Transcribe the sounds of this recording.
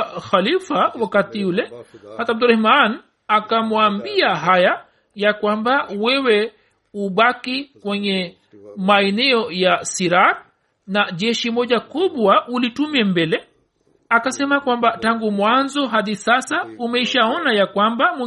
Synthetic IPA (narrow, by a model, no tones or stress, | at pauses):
xalifawakatiulɛhatabduɾahman | akamwambiaɦaja | jakwambawɛwɛ | uɓakikwɛɲɛ | maɛnɛɔjasiɾak̚ | naʄɛʃimɔʄakuɓwaʔulitumiɛmbɛlɛ | akasɛmakwambataŋɡumwanzɔɦaðisasaumɛiʃaɔnajakwambamwɛ